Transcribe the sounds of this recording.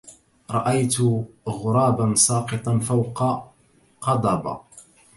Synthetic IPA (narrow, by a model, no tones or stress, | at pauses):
ɾˤɑ̰ʔajt̪ʊɣʊɾˤɑːbansˤɑːqɨt̪ˤɑnfawqɑ | qɑd̪ˤɑba̰